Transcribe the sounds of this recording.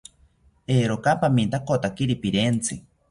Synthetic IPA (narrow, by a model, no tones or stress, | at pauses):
eːɾokapamint̪akot̪akiɾipiɾent͡sʰɨ